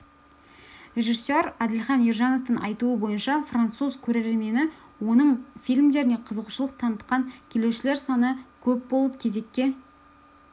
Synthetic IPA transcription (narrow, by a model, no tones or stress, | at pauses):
rʲe̞ʒisːøɾæd̪ɪlχɑnijrʒɑno̞ft̪ənɑ̰jt̪uəbo̞jənʃɑfrant̪suzkʲʰɵɾeɾeɾme̞nɪ | wo̞nəɴfijlʲmd̪e̞ɾɪne̞qʰəzəʁuʃəlˠəq̚t̪ʰɑnət̪̚qɑŋkʲʰele̞wʃɪle̞ɾsɑnəkʲʰɵp̚bo̞lˠəp̚kʲʰe̞ze̞kʲːe̞